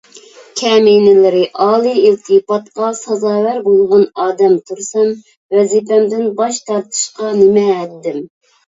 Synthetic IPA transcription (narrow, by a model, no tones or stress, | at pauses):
kʲʰɛmenɪlɪɾɪʔɑːlˠɨilt̪ʰɨpɑt̪qɑsɑzɑːwæɾbolˠʁɑnɑːd̪ɛmt̪ʰuɾsɑm | vɛzipɛmd̪ɪnbɑʃt̪ʰɑɾt̪ʰɨ̥ʃqɑnɪmɛːt̪ːɪm